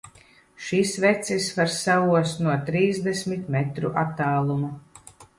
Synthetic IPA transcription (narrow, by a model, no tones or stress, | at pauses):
ʃisvɛt̪sisvaɾsavuɔsnuɔt̪ɾiːzd̪ɛsmit̪mɛt̪ɾṵʔat̪ːaːlˠumu